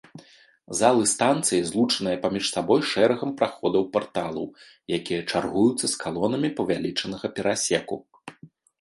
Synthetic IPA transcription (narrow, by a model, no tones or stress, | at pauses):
zalˠɨst̪ant̪sɨjizlˠut͡ʂɐnɨjɐpamʲiʂsabɔjʂɛɾɐɣɐmpɾaxɔd̪ɐwpart̪alˠɐ̰w | jakʲijɐt͡ʂarɣujut̪sːɐskalˠɔnɐmʲipɐvʲalʲit͡ʂɐnɐɣɐpʲɛɾasʲɛku